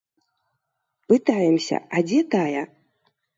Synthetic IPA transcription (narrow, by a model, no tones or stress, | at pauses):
pɨt̪ajɛmsʲɐ̰ad͡zʲɛt̪ajɐ